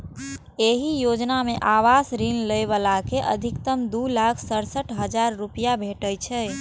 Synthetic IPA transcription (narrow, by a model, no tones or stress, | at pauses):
eɦijod͡ʒnamẽʔaʋasɾinləjʋəlakeʔə̰d̪ʱɪkt̪əmd̪ulakʰsəɽsəʈʰɦəd͡ʒaɾːupijabʱeʈəjt͡ʃʰɛ